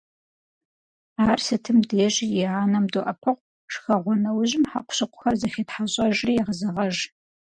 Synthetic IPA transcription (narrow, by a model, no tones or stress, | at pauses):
aːrsɨtʰɨmdeːʑjɪʕaːnɐmdoʔɐpʰɨʁʷ | ʂxɐʁʷɔnɐwʑɪmħa̰qʷʊ̥ɕɨqʷʊxɐrzɐxeːtħaɕʼɐʒriːjɛʁəzɐʁɐʒ